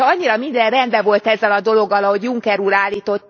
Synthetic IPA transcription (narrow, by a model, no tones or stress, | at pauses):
ɒɲːiɾɒmind̪ɛrrɛnd̪bɛvo̞lt̪ɛzːɛlɒd̪o̞lo̞ɡːɒlɒɦo̞ɟjuŋkɛɾuːlaːlːiːt̪o̞t̪ː